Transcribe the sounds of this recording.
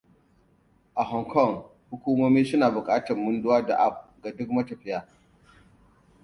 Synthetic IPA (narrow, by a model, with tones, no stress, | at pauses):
ʔa˨ɦɔ˨ŋkʰɔ˦˨ŋ | hʊ˦kʷuː˦moː˦miː˦sʊ˦naː˨bʊ˨kʼaː˦tɐ˨mːʊ˦ndʊ˦waː˦da̰˨ʔa˦˨p̚ɡa˨dʊ˦k̚mɐ˦tɐ˨ɸɪ˦jaː˦